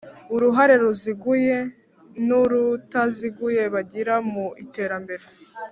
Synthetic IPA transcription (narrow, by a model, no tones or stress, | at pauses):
uɾuɦaɾe̞ɾuziɡuje̞ | nuɾutaziɡuje̞βaɟiɾamuite̞ːɾambe̞ɾe